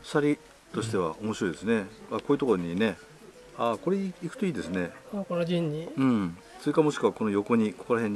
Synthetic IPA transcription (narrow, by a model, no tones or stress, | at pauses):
saɾʲi | t̪o̞ɕi̥t̪e̞β̞a̰ʔo̞mo̞ɕiɾo̞id̪e̞sɨne̞ako̞ːjɯ̟t̪o̞koɾoɲ̟ine̞ | ako̞ɾeikɯ̟t̪o̞iːd̪e̞sɨne̞akoɾad͡ʑĩɲːiɯ̃ɴ | t͡sɨikːaamo̞ɕi̥kɯ̟βako̞no̞jo̞ko̞ɲ̟iko̞ko̞ɾaɦẽ̞ɲ